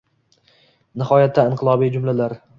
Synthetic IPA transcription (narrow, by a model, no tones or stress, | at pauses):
nɪhɒjat̪ʰːaɪɴqʰɨlˠɒbijd͡ʒʊmlalaɾ